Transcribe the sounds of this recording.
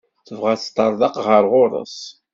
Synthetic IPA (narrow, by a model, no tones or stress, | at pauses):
θəvʁæθt̪ˤːɑɾˤðɑqʁəɾʁʊɾˤə̰s